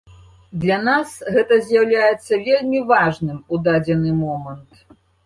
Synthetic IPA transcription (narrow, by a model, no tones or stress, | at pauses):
d̪lʲɐnasɣɛt̪ɐzʲjawlʲajɛt̪sːɐvʲelʲmʲivaʐnɨmud̪ad͡zʲɛnɨmɔmɐnt̪